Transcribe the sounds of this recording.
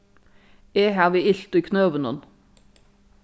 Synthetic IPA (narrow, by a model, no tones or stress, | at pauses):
eːɦæːʁʋiːɪɬt̪ʊiːkʰnøːʋənɔn